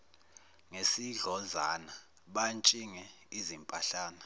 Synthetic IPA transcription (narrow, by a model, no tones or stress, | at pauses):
ŋesiɮɔzana | ɓant͡ʃʼiŋɛ | izimpʼaɬaːna